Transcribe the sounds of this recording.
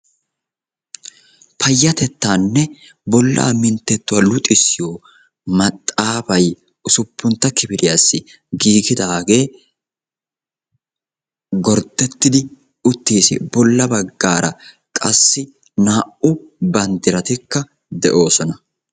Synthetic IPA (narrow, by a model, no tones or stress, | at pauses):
pɐjːɐt̪ɛt̪ːaːnːɛ | bɔlːa̰ːmɪnt̪ːɛt̪ːʊwalʊt̪ʼɪsːɪjoː | mɐt̪ʼːaːfɐj | ʊsʊpːʊnt̪ːɐkɪbɪɾɪjasːɪ | ɡiːɡɪd̪aːɡe̞ː | ɡɔɾd̪ɛt̪ːɪd̪ɪ | ʊt̪ːiːsɪ̰bɔlːɐbɐɡːaːɾɐ | kʼɐsːɪ | naːʔʊbɐnd̪ɪɾɐt̪ɪkːɐ | d̪ɛʔo̞ːsɔnɐ